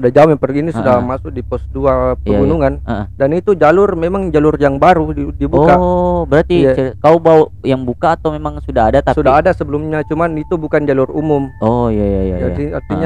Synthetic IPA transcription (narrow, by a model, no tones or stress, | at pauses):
sudad͡ʒamjaŋpərɡinisudamasʊk̚dipɔsduapəaɡunuŋanə̰ʔədanit̪ud͡ʒalʊrmemaŋd͡ʒalʊrjaŋbaɾudibuɔkabəɾart̪it͡ʃkaubaujaŋbukaːt̪awmemaŋsudaɦadat̪asudaɦadasəbəlumɲat͡ʃumanit̪ubukand͡ʒalʊrumʊmojajaja̰aaiart̪iɲa